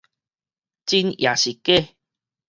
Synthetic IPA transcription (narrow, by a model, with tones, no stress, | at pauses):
t͡ɕi˧nja˨ɕi˨ke˥˦˨